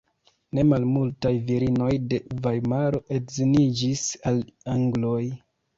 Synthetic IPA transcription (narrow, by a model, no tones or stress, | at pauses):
ne̞malmultajviɾino̞jde̞vajmaɾo̞ʔetzinid͡ʒisalaŋɡlo̞j